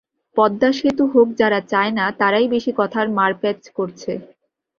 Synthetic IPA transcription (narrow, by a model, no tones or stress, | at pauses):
pɔd̪ːaʃit̪oɦok̚d͡ʑaɾat͡ɕaenat̪aɾajbeʃikɔt̪ʰaɾmaɾpɛt͡ɕkoɾt͡ɕʰe